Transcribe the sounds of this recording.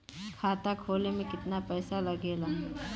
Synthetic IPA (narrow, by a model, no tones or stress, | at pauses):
kʰaːt̪akʰoːlemẽkɪt̪napɛːsalɐɡeːla